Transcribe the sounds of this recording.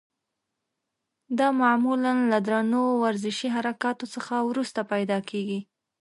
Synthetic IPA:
d̪ɑmamulanlad̪ɾanowaɾzɪʃiɦaɾakɑt̪osəxawɾust̪apajd̪ɑkeɡi

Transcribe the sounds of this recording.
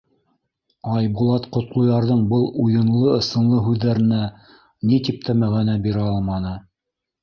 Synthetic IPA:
ɑjbulˠɑt̪qŏt̪lˠŏjɑɾðɤɴbɤlˠujɤ̆nlˠɤɤ̆sɤ̆nlˠɤɦʉðːæɾɘ̆næ | nit̪ip̚t̪æmæɣænæbiɾæɑlˠmɑnɤ

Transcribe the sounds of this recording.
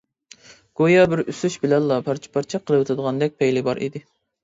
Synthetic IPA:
ɡ̥ojɑbɪɾysyʃbɪlɛnlˠɑpʰɑɾt͡ʃʰɛ̥pʰɑɾt͡ʃʰɛqʰːəlˠɨwɨt̪ʰɨd̪əʁɑnd̪ɛk̚ʲpʰɛjlɪbɑɾʔḭd̪ɪ

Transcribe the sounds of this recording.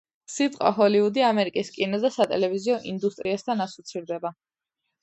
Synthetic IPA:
sit̪ʼqʼa̰ɦɔliud̪iamɛɾikʼiskʼinɔd̪asat̪ʼɛlɛviziɔʔind̪ust̪ʼɾiast̪ʰanasɔ̥t̪sʰiɾd̪ɛba

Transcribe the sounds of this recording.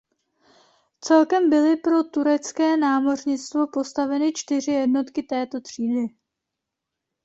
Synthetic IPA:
t͡sɛlkɛmbɪlɪpɾo̞t̪uɾɛt͡skɛːnaːmo̞rɲɪt͡st̪vo̞po̞st̪avɛnɪt͡ʃt̪ɪr̝ɪjɛdno̞t̪kɪt̪ɛːt̪o̞t̪r̝̥iːdɪ

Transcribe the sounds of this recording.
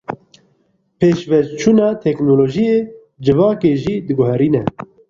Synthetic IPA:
pʰeːʃvɛt͡ʃʰuːnɑːt̪ʰɛknoːloːʒijeː | d͡ʒɨvɑːkeːʒiːd̪ɨɡʊɦɛɾiːnɛ

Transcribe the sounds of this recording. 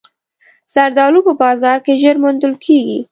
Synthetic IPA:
saɾd̪ɑlupəbɑzɑɾkeʒəɾmʊnd̪əlkʰeɡi

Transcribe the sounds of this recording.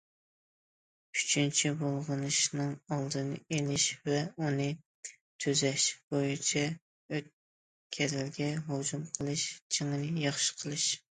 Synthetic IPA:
y̥t͡ʃʰynt͡ʃʰibolˠʁənɨʃnɨŋɑlˠd̪ɨnɨ̰elɪʃvɛunɨ | t̪ʰyzɛʃb̥ojit͡ʃʰɛ | øt̪̚ | kʲʰɛɾɪlɡʲɛɦod͡ʒumqʰəlˠɨʃt͡ʃʰeŋɨnɨjɑχʃɨ̥qʰəlˠɨʃ

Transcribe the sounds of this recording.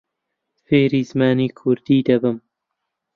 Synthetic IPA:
feːɾiːzmaːniːkʰʊɾd̪iːd̪ɐbɨm

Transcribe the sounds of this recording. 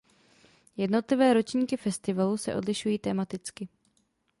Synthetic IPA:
jɛdno̞t̪lɪvɛːɾo̞t͡ʃɲiːkɪfɛst̪ɪvalusɛ̰ʔo̞̰dlɪʃujiːt̪ɛːmat̪ɪt͡skɪ

